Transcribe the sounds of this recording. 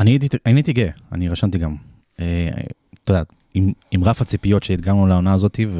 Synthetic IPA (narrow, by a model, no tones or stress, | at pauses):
anit̪itainit̪iɡea̰niʁaʃant̪iɡam | et̪od̪a | imimʁafhat͡sipijo̞t̪ʃeid̪ɡanulaonaːzo̞t̪iv